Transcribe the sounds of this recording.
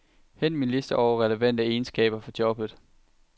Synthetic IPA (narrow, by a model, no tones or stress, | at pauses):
hen̰minle̝sd̥əʔɒʊɐʁɛləʋæn̰d̥əe̝ːnsɡ̥ɛ̰ːb̥ɐfɒ̽d̥jɒ̽b̥ð̩ˠ